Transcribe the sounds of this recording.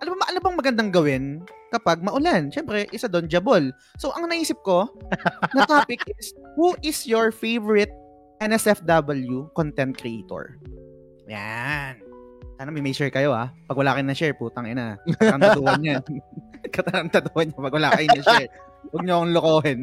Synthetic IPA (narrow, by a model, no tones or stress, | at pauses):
ʔɐnobobɐʔɐnobɐŋmɐɡɐnd̪aŋɡɐwɪnkɐpaɡ̚mɐʔʊlanʃɛmpɾɛʔɪsad̪ond͡ʒɐbol | soʔɐŋnɐʔiːsɪp̚ko̞ | nɐt̪aːpɪkʔɪshuʔɪsjoɹfejvɔɹɪt̪̚ | ʔɛnɛsɛfd̪abɐljukont̪ɛnt̪̚kɾɪʔejt̪o̰ɹ | ja̰nt̪anɐmɐmɛjsɛɹkɐjo̞apɐɡwɐlaːkɐjnɐʃɛɹpuːt̪ɐŋɪnaɐmɐd̪uhɐɲɲa | kɐt̪ɐɾɐmt̪ɐd̪uhɐɲːɐpɐɡwɐla̰ːkɐjʊnɐʃɛɹ | wɐɡ̚ɲokɐŋlʊkoːɦɪn